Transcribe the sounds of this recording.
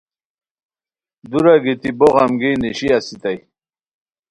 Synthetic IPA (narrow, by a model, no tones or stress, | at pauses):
d̪uɾaɡit̪iboʁɑmɡiniɕiasit̪aj